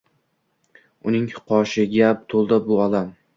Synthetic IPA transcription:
ʊnɪŋhʊqʰɒʃɪɡʲap̚t̪ʰolˠd̪abʊɒlam

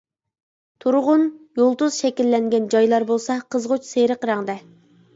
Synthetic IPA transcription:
t̪ʰuɾʁʊnjolˠd̪uzʃɛkʲilːɛŋɡʲɛnd͡ʒɑjlˠɑɾbolˠsɑqʰəzʁʊt͡ʃseɾəqɾɑŋd̪ɛ

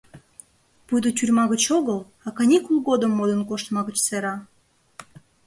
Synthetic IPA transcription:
pud̪ətʲyrʲmɑɣət͡ɕoɣəl | ɑkɑnʲikulˠɣod̪əmːod̪ənkoʃt̪mɑɣət͡ɕseɾɑ

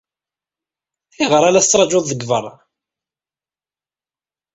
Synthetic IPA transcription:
iʁəɾˤalæθət͡sːɾˤɑd͡ʒʊðˤðəɡvəɾˤ

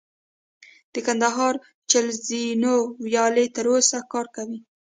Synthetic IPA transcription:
d̪̥əkand̪aɦɑɾ | t͡ʃalzinowjɑlet̪əɾosakɑɾkawi

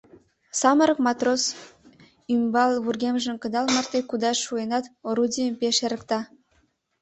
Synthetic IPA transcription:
sɑməɾəkmɑt̪ros | ymbɑlˠβurɣʲemʒə̆nkə̆d̪ɑlmɑrt̪ekud̪ɑʃuenɑt̪oɾudʲijəmpeʃeɾə̆kt̪ɑ

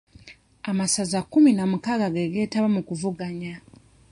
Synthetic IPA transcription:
amasazakːuminamukaɡaɡeɡe̞ːtaβamukuvuɡaɲa

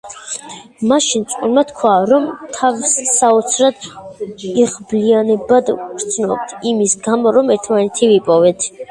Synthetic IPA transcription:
maʃint̪sʼqʼunmat̪kʰwaɾɔmt̪ʰavsːaɔt̪sʰɾad̪ | iʁblianɛbad̪ɡɾt̪sʰnɔb̚t̪ʰimisɡamɔɾɔmɛɾt̪ʰmanɛt̪ʰivipʼɔvɛt̪ʰ

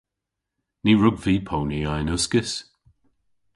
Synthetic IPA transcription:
niːɹʊɡviːpʰowniajnʊskɪs

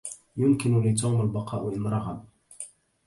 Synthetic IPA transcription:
jʊmkɪnʊlɪt̪̬uːmalbɑqʰɑːʔʊʔɪnɾˤɑɣab

